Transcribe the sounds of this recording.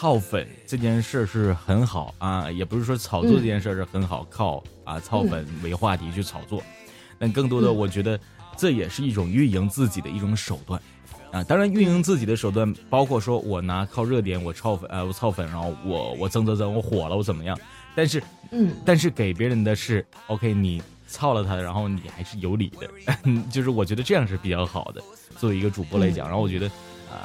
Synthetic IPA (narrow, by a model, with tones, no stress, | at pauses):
t͡sʰɑ˥˩ʊfə̰˨˩˦nʈ͡ʂɤ˥˧t͡ɕjɛ˥˧nʂə˥˧ʂɻ̩˥˩xə˧˥nxɑ˨˩˦ʊɐ˧jɛ˨˩pu˧˥ʂɻ̩˥˩ʂwɔ˥t͡sʰɑ˨˩ʊt͡swɔ˥˧˩ʈ͡ʂɤ˥˧t͡ɕjɛ˥˧˥ʂ̬ə˥˧ʂɻ̩˥˩xə˧˥nxɑ˨˩ʊkʰɑ˥˧ʊ | ɐ̰˧t͡sʰɑ˥˩ʊfə˨˩nwe˧˥ɪxwa˥˩t̪ʰi˧˥t͡ɕʰy˥˩t͡sʰɑ˨˩ʊt͡swɔ˥˩ | t̪a˥˧nkɤ˥˩ŋt̪̬wɔ˥d̪ə˨wɔ˨˩t͡ɕɥɛ˧˥d̪ə˧ | ʈ͡ʂɤ˥˩jɛ˨˩ʂɻ̩˥˧i˥˩ʈ͡ʂʊ˨˩ŋy˥˩ji˧˥ŋt͡sɹ̩˥˩t͡ɕi˨˩d̪ə˦i˥˩ʈ͡ʂʊ˧˥ŋʂo˨˩ʊt̪wa˥˩n | ɐ˧˩t̪ɑ˥ŋɻa˧˥ny˥˩nji˧˥ŋt͡sɹ̩˥˩t͡ɕi˨˩d̪ə˦ʂo˨˩ʊt̪wa˥˩npɑ˥ʊkʰwɔ˥˩ʂwɔ˥wʔɔ˨˩na˧˥kʰɑ˥˧ʊɻɤ˥˩t̪̬jɛ˧˥nwɔ˨˩t͡sʰɑ˥˩ʊfwɔ˨˩t͡sʰɑ˥˩ʊfə˧˨˩nɻa˧˥nxo˥˩ʊwɔ̰˨˧˩wɔ̰˨˩t͡sɤ˥ŋt͡sɤ˧˥t͡sɤ˧˥wɔ˧˥xwɔ˨˩lə˦wɔ˧˥t͡sə˨˩mə˦jɑ˥˩ŋ | t̪a˥˧nʂ̬ɻ̩˥˩ | t̪a˥˧nʂ̬ɻ̩˥˩ke˨˩ɪp̬jɛ˧˥ɻə˧˥nd̪ə˧ʂɻ̩˥˩ | o˥ʊkʰe˥ɪni˨˩ | t͡sʰɑ˥˩ʊlə˩t̪ʰa˥˧ɻa˧˥nxo˥˩ʊnḭ˨˩xa˧˥ɪʂɻ̩˥˩jo˧˥ʊlḭ˨˩d̪ə̰˦t͡ɕjo˥˧ʂɻ̩˥˩wɔ˨˩t͡ɕɥɛ˧˥d̪ə˧ʈ͡ʂɤ˥˧jɑ˥˧ŋʂ̬ɻ̩˥˩pi˨˩t͡ɕjɑ˥˩ʊxɑ̰˨˩ʊd̪ə̰˦ | t͡swɔ˥˩we˧˥i˧˥ɡə˧ʈ͡ʂu˨˩pwɔ˥˩la˧˥ɪt͡ɕj̰ŋɻxwɔ˨˩t͡ɕʲɥɛ˧˥d̪ə˧ | ɐ̰˧˩